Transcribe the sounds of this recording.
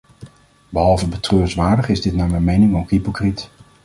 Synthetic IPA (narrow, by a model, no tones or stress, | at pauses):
bəɦɑlˠvəbətrøːrsʋaːɹdəχɪzdɪtnaːɹmɛjnmejnɪŋowkɦipokrit